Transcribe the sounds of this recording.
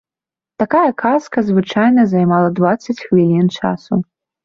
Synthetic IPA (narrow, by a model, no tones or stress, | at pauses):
t̪akajɐkʰaskɐzvɨt͡ʂajnɐzajmalˠɐd̪vat̪sːɐt͡sʲxvʲilʲint͡ʂa̰su